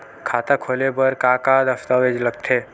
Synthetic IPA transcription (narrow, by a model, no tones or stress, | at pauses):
kʰaːt̪akʰoːlebəɾkaːkad̪əft̪aʋed͡ʒləɡ̚t̪ʰeː